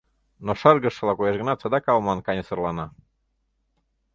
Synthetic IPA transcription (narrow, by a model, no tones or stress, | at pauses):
noʃɤrɣə̆ʃɤ̆lɑkujeʃɣə̆nɑt̪t͡sɤd̪ɑkɑlˠmɑnkɑnʲə̆sɤ̆rlɑnɑ